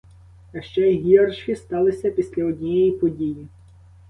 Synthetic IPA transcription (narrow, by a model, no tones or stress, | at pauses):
ɐʃt͡ʃɛɦʲiɐrʃkʲɪst̪ɑlˠɪsʲɐpʲisʲlʲɐɔdʲnʲijjpɔdʲiji